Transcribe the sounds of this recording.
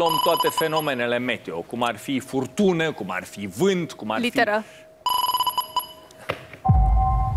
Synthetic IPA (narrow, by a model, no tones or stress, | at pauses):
omt̪oat̪efenomenelemet̪eokumarfifurt̪unəkuma̰rfivɨnt̪kumaɾlitfeɾə